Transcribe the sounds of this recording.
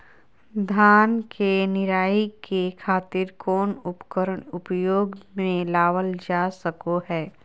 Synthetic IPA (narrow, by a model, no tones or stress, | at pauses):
d̪ʱaːnkenɪɾaːikekʰaːt̪ɪɾkɔːnʊpkəɾəɳʊpjoːɡmẽlaːʋəld͡ʒaːsəkoɦɛː